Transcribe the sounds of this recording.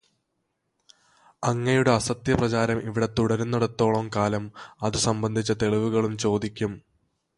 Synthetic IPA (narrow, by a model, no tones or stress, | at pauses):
ɐŋːɐjuɽe̞ɐsɐt̪jɐprɐt͡ɕaːɾɐmʔiʋiɽet̪uɽɐɾunːɐɽɐt̪ːo̞ːɭɐmkaːlɐmɐðusɐmbɐnd̪ʱit͡ɕːɐt̪e̞ɭiʋuɣɐɭumt͡ɕo̞ːd̪ikʲːum